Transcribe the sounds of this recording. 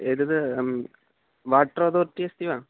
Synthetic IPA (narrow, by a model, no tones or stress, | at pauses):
eːðɐðɨ | ʋaːʈroːðoːrtːijɐst̪iʋaː